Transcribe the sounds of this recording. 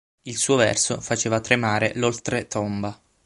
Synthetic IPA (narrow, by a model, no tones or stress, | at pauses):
ilsuːovɛ̰rsofat͡ʃeːvat̪ɾemaːɾelolt̪ɾet̪omba